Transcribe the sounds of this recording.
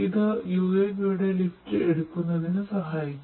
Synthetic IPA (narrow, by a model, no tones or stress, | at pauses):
iðɨjuːenuːɽelifʈɨeɽukːunːɐðinɨsɐɦaːjikʲː